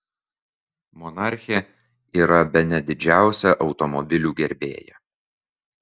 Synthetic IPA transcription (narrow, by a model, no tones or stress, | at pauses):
mɔnɑˑɾʲxʲɛ | iːɾɐbʲɛnʲɛd̪ʲɪd͡ʒʲæˑʊsʲɛʔɒʊt̪ɔmɔbʲɪlʲuːɡʲɛɾʲbʲḛːjɛ̰